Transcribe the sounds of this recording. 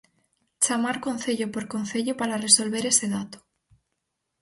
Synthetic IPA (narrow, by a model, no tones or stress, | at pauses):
t͡ʃamaɾkon̟θeʎopoɾkonθeʎopaɾareso̞lβe̞ɾeseð̞at̪o̥